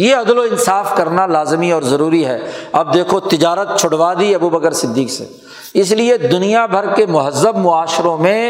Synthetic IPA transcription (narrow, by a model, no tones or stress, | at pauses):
jeɐd̪loɪnsaːfkɐɾnalaːzmiɔːɾzɐɾuːɾiɦɛːɐb̚d̪eːkʰot̪ɪd͡ʒaːɾət̪̚t͡ʃʰʊɽʋaːd̪iɐbuːbəkəɾsɪd̪ːiːksḛː | ɪs̬lied̪ʊnijabʱɐɾkemʊɦəzːəbmʊaːʃɪɾõmẽ